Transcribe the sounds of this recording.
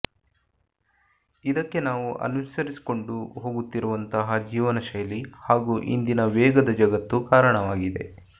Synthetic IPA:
id̪ɐkːe̞naːʋuʔɐ̰nusɐɾisi̥ko̞ɳɖuɦo̞ːɡut̪ːiɾuʋɐnt̪ɐɦɐd͡ʒiːʋɐnɐʃɐjɐlihaːɡuːʔḭnd̪inɐʋɛːɡɐd̪ɐd͡ʒɐɡɐt̪ːukaːɾɐɳɐʋaːɡid̪e̞̰

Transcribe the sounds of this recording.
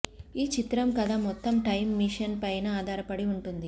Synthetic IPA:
iːt͡ʃit̪ɾɐmkɐd̪aːmɔt̪ːɐmʈɐjmːiʂɐnpɐjnɐaːd̪ʱaːɾɐpɐɽiuɳʈund̪i

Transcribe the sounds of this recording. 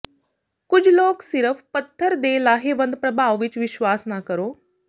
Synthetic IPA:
kʊd͡ʒʱloːksɪɾəfpɐt̪ʰːəɾd̪eːlaːɦeʋə̃nd̪̚pɾɐbʱaːʋʋɪt͡ʃʋɪʃwaːsnakɐɾoː

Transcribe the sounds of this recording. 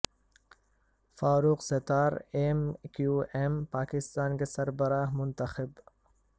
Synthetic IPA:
faːɾuːqset̪aːɾeːmkjuːʔempaːkɪst̪aːnkesɐɾbɐɾaːɦmʊnt̪ɐxɪb

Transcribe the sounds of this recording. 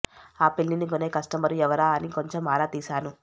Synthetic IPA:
aːpelːinikone̞ːkɐsʈɐmɐɾuɛʋɐɾaːɐniko̞ɲt͡ʃe̞maːɾaːt̪iːsaːnu

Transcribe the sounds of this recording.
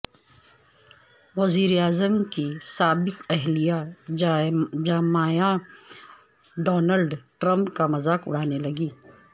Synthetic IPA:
ʋɐziːɾaːzəmkisaːbɪkɛɦlija | d͡ʒaːmaːja | ɖɔːnəlɖʈɾə̃mpkamɐzaːkʊ̰ɽ̤aːnelɐɡiː

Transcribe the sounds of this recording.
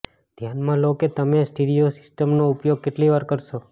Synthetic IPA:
d̪ʱjanmãloket̪əmesʈeɖijosɪ̥sʈəmnoupjoɡ̚keʈliʋaɾkəɾʃo

